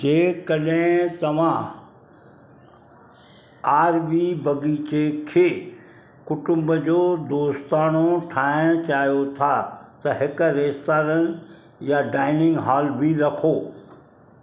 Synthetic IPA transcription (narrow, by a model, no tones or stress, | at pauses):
d͡ʑeːkɐɗɦɪ̃t̪ɐʋ̤ã | aːɾʋiːbɐɡiːt͡ɕekʰeː | kʊʈʊ̃mbəd͡ʑoːd̪oːst̪aːnoʈʰaːɪɽ̃t͡ɕaːɦijot̪ʰat̪ɐɦɪkɾeːst̪aːɾən | jaɖaːɪnɪ̃ŋɡɦaːlbʱiɾɐkʰoː